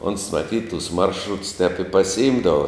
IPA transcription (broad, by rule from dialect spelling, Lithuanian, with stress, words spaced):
oːns mɐˈtʲiːt tʊs ˈmɐrʃrʊts tʲɛp ɪ pɐsʲɪˈɪmdɐʋɐ